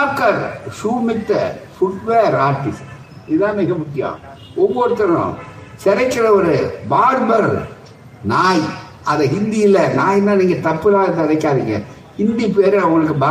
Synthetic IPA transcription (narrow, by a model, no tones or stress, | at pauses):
kːɐɾsuːmɪʈːɐ̰fʊʈʋeːɾaːʈːɪs | ɪðãːmɪɣɐmʊkːɪjã̰ː | ɔʋːoːɾɯt̪ːɐɾɐʊ̰̃sɛɾɐɪkːɪɾɐɔɾɯbaːɾbɐɾ | naːj | ɐðɛɦɪnd̪ijɪlːɐnaːjɪnːãːniːŋɡɐt̪ɐpːɪlaːɣɐt̪ːɐɾɐɪkːaːɾɯŋːɛ̰ | hɪnd̪ipeːɾɐʊŋɡɐɭɯkːɯba